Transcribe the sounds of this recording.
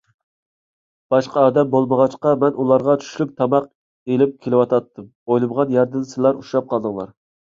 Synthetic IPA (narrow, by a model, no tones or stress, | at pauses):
b̥ɑʃqɑɑːd̪ɛmbolˠməʁɑt͡ʃqɑmɛnʔulˠɑɾʁɑt͡ʃʰy̥ʃlyk̚ʲt̪ʰɑmɑq | elɪp̚kʲʰelɪwɑt̪ʰɑt̪ːɨm | ojlˠɨmʁɑnjɑɾd̪ɨnsɪlˠɑɾuʃɑp̚qʰɑlˠd̪ɨŋlˠɑ̰ɾ